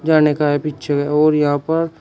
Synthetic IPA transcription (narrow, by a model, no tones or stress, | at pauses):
d͡ʒaːnekaɦepitːt͡ʃʰəkɛɔːɾjɐɦãpəɾ